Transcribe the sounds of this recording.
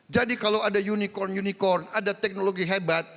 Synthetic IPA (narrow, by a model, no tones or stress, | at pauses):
d͡ʒadikalawadajunikɔrnjunikɔrnadat̪ɛk̚noloɡiɦabat̪̚